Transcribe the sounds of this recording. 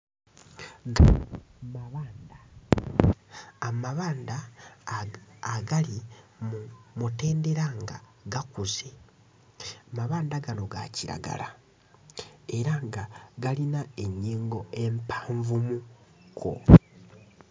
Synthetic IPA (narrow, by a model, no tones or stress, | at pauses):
ɡamaβaːnda | amaβaːnda | aɡali | mute̞ːnde̞ɾaŋɡa | ɡakuze | maβaːndaɡano̞ɡa̰ciɾa̰ɡa̰la | e̞ɾaŋɡaɡalinae̞ɲːiːŋɡo̞e̞mpaːɱvumukʰo̰